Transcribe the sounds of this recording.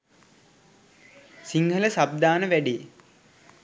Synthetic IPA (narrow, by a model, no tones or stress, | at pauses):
siŋɡʱələsab̚d̪aːnəʋæɖej